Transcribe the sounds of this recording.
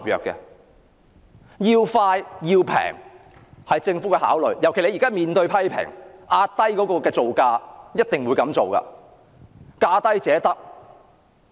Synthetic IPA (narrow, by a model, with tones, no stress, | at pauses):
p̚jœ̰ː˨kːɛ̰˧ | jiː˧wfaː˧jjiː˧wpʰɛ̰ː˨˩ŋ | hɐ˨jt͡sɪ˧ŋfu˨˥kɛː˧ha̰ː˨˥wlɵ˨ɥjɐ˨˩wkʰe˨˩jle˧jiː˨˩kaː˥miː˨nt̪ɵ˧ɥpʰɐ˥jpʰɪ̰˨˩ŋʔaː˧tt̪ːɐ˥jkɔː˨˥kɔː˧kɛː˧t͡so˨wkaː˧jɐ˥t̚t̪ɪ˨ŋwuː˨˧jkɐ˨˥mt͡so˨wkɐ̰˧ | kaː˧t̪ɐ˥jt͡sɛː˨˥t̪ɐ˥k̚